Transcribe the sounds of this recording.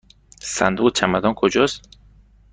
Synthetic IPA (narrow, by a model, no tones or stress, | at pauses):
sæ̰nd̪uʁt͡ʃʰæmæd̪ɒnkʰod͡ʒɒst̪